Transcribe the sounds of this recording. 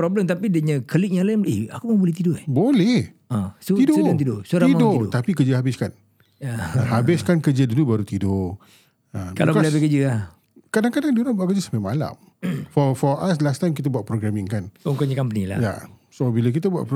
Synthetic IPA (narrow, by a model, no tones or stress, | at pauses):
pɾɔbləmt̪apidəɲə̃kəlik̚ɲalamea̰kuməbolɛht̪idʊɛhbolɛh | ə̃sot̪idoat̪idosoɾaimadot̪apikəd͡ʒəɦabɪskan | jaɦabɪskankəd͡ʒədudubaɾut̪ido | əkalakalebekəd͡ʒəa | kadaŋkadaŋduɾanbuaʔkəd͡ʒəsampamala̰m | fɔfɔaslast̪ajmkit̪̬əbuaʔpɾoɡɾamɪ̃ŋkanuŋkoɲakampənila̰ja̰sobilak̬it̪əbua̰ʔ